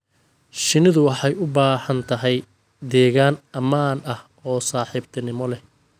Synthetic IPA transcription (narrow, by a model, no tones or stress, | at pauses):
ʃɪnɪðʊwɑħɑjʊbaːhɐnt̪ʰɐɦɛj | d̪ɛːɣaːnɐmaːnɐh | ɔːsaːħiːbt̪ʰɐnɪmɔlɛh